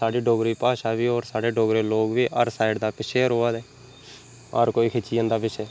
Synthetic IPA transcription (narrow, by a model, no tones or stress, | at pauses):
saːɖiːɖoːɡɾiːpaːʃaːʋiːoːɾsaːɽeːɖoːɡɾeːloːɡʋiːʔəɾsaːɪɖd̪aːpɪt͡ʃʰeːɾoːaːd̪ɛː | əɾkoːikʰɪt͡ʃiːə̃ːnd̪aːpɪt͡ʃʰeː